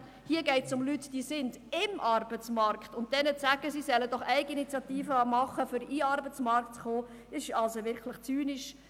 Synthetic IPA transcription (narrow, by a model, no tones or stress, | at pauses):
hiəɡɛɪtsʊmlytd̥isɪnd | ɪmʔɑrb̥ət͡smɑɾktʊnt̚d̥ɛnət͡sæɡ̥əsisɛləd̥ɔχɛɪɡinit͡sjɑtiːfəmɑχəfʏɾiːɑɾbət͡smɑɾktt͡sχoː | ɪsʃɑlsoʋɪɾkʰləχt͡syːnɪʃ